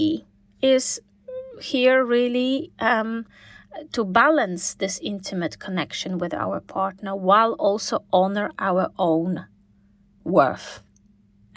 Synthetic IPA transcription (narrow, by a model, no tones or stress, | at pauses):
ɪz̥ | hiɹɹilˠi | tʰəbælˠə̃nsðɪsɪ̃ntʰɨmɨtkʰənɛkʃɨ̃nwɪða̰ʊə˞pʰɑɹtnə˞waɪlˠɔlˠsoʊʔɑnə˞ʔaʊə˞ʔõʊ̃n | wɜ̰˞θ